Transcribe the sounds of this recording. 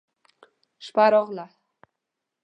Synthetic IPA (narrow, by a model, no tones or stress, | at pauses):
ʃpaɾɔʁla